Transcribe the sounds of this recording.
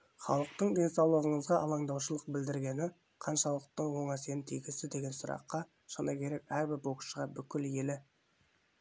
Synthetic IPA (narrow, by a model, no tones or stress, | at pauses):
χɑ̰lˠəq̚t̪əɴd̪ʲe̞nsɑwlˠəʁəɴəzʁɑʔɑlˠɑɴd̪ɑwʃəlˠəq̚bɪld̪ɪɾɡʲe̞nɪ | qʰɑnʃɑlˠəq̚t̪əɴwo̞ɴæse̞nnt̪ʰijɡʲɪst̪ɪd̪e̞ɡʲe̞nsʊɾɑ̰qːɑ | ʃɑnɑkʲʰe̞ɾe̞kæɾbɪɾbokʃəʁɑbʏkʲɪlje̞lɪ